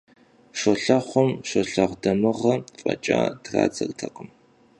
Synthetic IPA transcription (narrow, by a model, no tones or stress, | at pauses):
ʂɐɬɐχʷɔmʂʷoɬɐʁdɐmɨʁɐfʼɐ̰t͡ʃʼaːdra̰ːd͡zɐrtʰɐqʼʊm